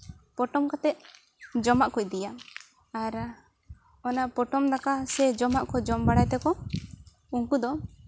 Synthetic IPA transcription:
pɔʈɔmkat̪ɛt̪̚ | d͡ʒɔmaʔkɔc̚d̪ija | aɾ | ɔnapɔʈɔmd̪akasɛd͡ʒɔmaʔkɔd͡ʒɔmbaɽajt̪ɛkɔ | uŋkud̪ɔ

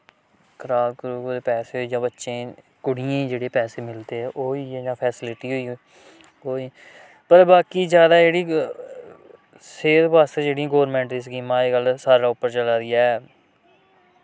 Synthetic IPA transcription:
kʰəɾaːbkəɾuːkoːd̪eːpɛːseːɦoiːd͡ʒãːbətːʃẽː | kʊɽɪjãːid͡ʒeːɽeːpɛːseːmɪlt̪eːɛːʔoːiːɛd͡ʒãːpʰɛːsɪlɪʈiːɦoiː | oːiː | pəɾbaːkiːzjaːd̪aːd͡ʒeːɽiː | seːɾbaːst̪ed͡ʒeːɽijãːɡoːɾmɛ̃ːɳʈd̪iːs̬ɡiːmãːeːkəlsaːɾaːʊpːəɾt͡ʃəlaːɾɪːaː

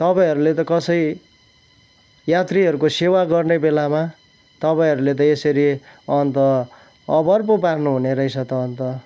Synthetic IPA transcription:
t̪ʌpaĩɦʌɾulet̪ʌkʌsʌi | jat̪riɦʌɾukosewaɡʌrnebelama | t̪ʌpaĩɦʌɾulet̪̬ʌesʌɾiʌnt̪ʌː | bʌrpoparnuɦuneɾʌjt͡sʰʌt̪ʌːnt̪ʌ

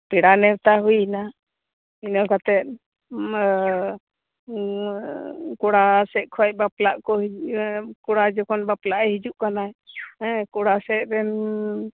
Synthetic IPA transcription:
piɽanɛwt̪aɦujna | inɔkat̪ɛt̪̚ | kɔɽasɛʔ̚ˀkʰɔc̚baplaʔkɔ | kɔɽad͡ʒɔkɔnbaplaʔɛɦid͡ʒuʔkanaɛ̃ | kɔɽasɛt̪̚ɾɛn

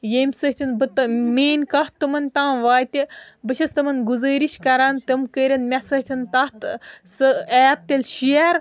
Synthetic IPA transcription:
jemʲsɨht̪ʲʰinbɨt̪ɨmeːnʲkɐht̪ːɨmɐnʲt̪ãːʋaːjt̪ibɨt͡ʃʰɐst̪ɨmɐnɡuzɐːɾiʃkɐɾaːnt̪ɐmkəɾʲɐnmʲɛsɐt̪ʰʲint̪ɐht̪sɨɛːp̚t̪elʲʃiɛɾ

